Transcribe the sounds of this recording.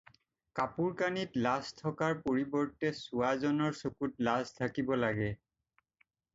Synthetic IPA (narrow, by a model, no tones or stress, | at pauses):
kapuɹkanitlastʰɔkaɹpoɹibɔɹtɛsuazɔnɔɹsokutlastʰakibɔlaɡɛ